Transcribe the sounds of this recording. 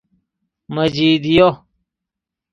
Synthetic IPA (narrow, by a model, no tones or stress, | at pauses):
mɐd͡ʑiːd̪ijo